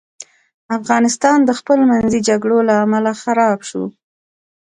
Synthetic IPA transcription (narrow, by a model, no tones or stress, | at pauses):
afɣɑnɪst̪ɑnd̪əxpəlomanzid͡ʒaɡɽolaːmalaxaɾɑbʃṵ